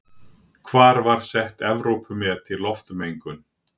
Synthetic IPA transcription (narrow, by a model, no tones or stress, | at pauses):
kʰvaːɾvaɾ̥sɛht̪ɛvɾowpʏmɛat̪ʰɪlːɔft̪ʏmejŋkʏn